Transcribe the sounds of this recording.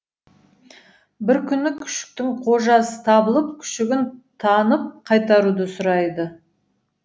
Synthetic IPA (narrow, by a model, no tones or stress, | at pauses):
bɪɾkʲʰʏnɪkʲʰʏ̥ʃɪ̥k̚t̪ɪŋqʰo̞ʒɑsə̥t̪ʰɑbəlˠəp̚kʲʰʏ̥ʃɪɡʲɪnt̪ʰɑnəp̚qʰɑjt̪ɑɾud̪əsʊɾɑjd̪ə